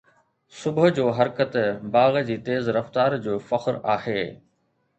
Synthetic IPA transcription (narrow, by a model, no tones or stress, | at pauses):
sʊbɦd͡ʑoːɦɐɾkət̪baːɣd͡ʑiːt̪eːzɾɐft̪aːɾd͡ʑoːfɐxɾaːheː